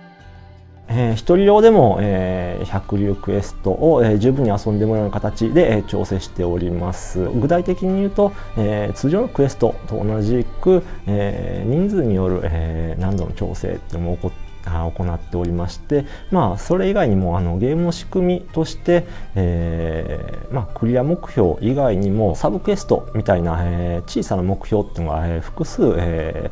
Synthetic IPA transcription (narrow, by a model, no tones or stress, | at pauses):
eçi̥t̪o̞ɾʲiɾʲo̞ːd̪e̞mo̞eçakɯ̟ɾʲːkɯ̟e̞sɨ̥t̪o̞̰ʔoeʑɨːbɯ̟ɲ̟ːiasõ̞nd̪e̞moɾaːnakat̪at͡ɕid̪e̞ʔt͡ɕo̞̰ːse̞ːɕi̥t̪e̞o̞ɾʲimasɨ̰ɡɯ̟t̪ait̪e̞kʲiɲ̟ijɯ̟ːt̪o̞ | eːt͡sɨːʑoːnokɯ̟e̞sɨ̥t̪o̞̰t̪o̞̰ːnaʑikɯ̟eɲ̟ĩnd͡zɨɲ̟ijo̞ɾɯ̟̰ʔenãnd̪o̞not͡ɕo̞̰ːse̞̰ːt̪eino | aoko̞nat̪ːe̞o̞ɾʲimaɕi̥t̪e̞ | maːso̞ɾe̞iɡaiɲ̟imo̞ano̞ɡe̞ːmɯ̟no̞ɕi̥kɯ̟mʲit̪o̞ɕi̥t̪e̞e | makɯ̟ɾʲiamo̞kɯ̟̥ço̞ːʔiɡaiɲ̟imo̞sabɯ̟kɯ̟e̞sɨ̥t̪o̞̰mʲit̪ainaet͡ɕiːsanamo̞kɯ̟̥çʲo̞ːt̪ːeinoɡa̰eɸɯ̟̥kɯ̟sɨːe